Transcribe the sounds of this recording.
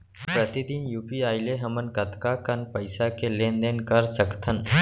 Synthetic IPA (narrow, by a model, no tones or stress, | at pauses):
pɾət̪id̪injuːpiaːɪleɦəmənkət̪kakənpəɪsakelẽːnd̪eːnkəɾsəkt̪ʰən